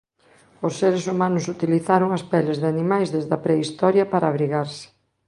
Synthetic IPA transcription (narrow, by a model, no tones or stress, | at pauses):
osːeɾesumanʊsut̪iliθaɾʊŋɐspɛlɪzðanimajzðezðɐpɾɛist̪ɔɾjɐpaɾɐːβɾiɣaɾsɪ̥